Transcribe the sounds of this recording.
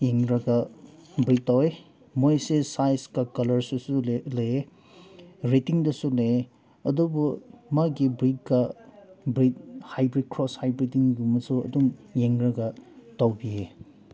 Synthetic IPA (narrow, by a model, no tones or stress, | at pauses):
jeŋɾɐɡɐbɾit̚tːawe | mojsesajskɐkɐlɐɾsusulɐje | ɾetiŋdɐsule | ɐdubumaɡibɾit̚kɐbɾit̚hajbɾid̚kʰɾɔshajbɾidiŋjumɐsuɐ̰dumjeŋɾɐɡɐtawbie